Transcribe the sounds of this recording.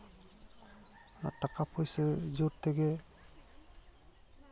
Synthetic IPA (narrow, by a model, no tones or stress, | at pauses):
ʈakapʰojsɛd͡ʒoɾt̪ɛɡɛ